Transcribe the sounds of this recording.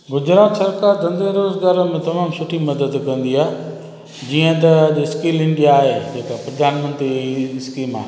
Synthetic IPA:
ɡʊd͡ʑɾaːt̪sɐɾkaːɾd̪ɐ̃nd̪eɾoːzɡaːɾəmẽt̪ɐmaːmsʊʈʰimɐd̪əd̪kɐ̃nd̪iaː | d͡ʑiə̃t̪ɐɐʄɪskiːlɪ̃ɳɖiaːɦed͡ʑeːkapɾɐd̪ʱaːnmə̃nt̪ɾiɪskiːmaːɦe

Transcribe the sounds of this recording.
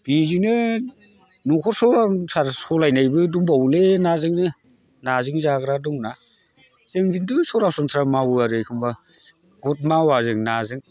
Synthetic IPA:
b̥izinɯ | nɔkʰɔɾsɔɾasʰaɾsɔlajnajbɯduŋbawlenazɯŋnɯ | nazɯŋzaɡɾadɔŋna | z̥ɯŋɡindɯsɔɾasɔnsʰɾamawɯaɾɯjkʰɯmba | ɡɔt̚mawazɯŋnazɯŋ

